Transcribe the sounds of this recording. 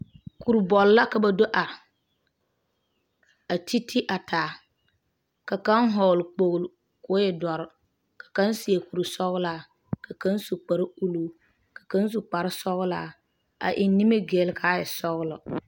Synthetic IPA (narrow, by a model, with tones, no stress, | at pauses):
ku˨ɾbɔ˨lla˦ka˨ba˨do˦ʔa˨ɾɪ˨ | a˨ti˦tʰi˦ʔa˨tʰaː˨ | ka˨ka˦nɦɔː˨lk͡po˨ɣlʊ˨ | kʊ˨˦jɛ˨dɔ˨ɾ | kḁ˨ka˦nsi˨e˨ku˨ɾu˨sɔ˦ɣlaː˨˦˨ | ka˨ka˦nsu˨k͡pa˨ɾu˦luː˨ | kḁ˨ka˦n˦s̬u˨k͡pa˨ɾɪ˦sɔ˦ɣlaː˦ | a̰˨ʔɪ˨˦nːi˦me˦ɡe˨lkʰaː˨˦jɛ˨sɔ˦ɣlɔ˨